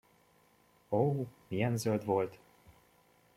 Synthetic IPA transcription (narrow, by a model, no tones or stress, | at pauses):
omijɛnzøld̪vo̞lt̪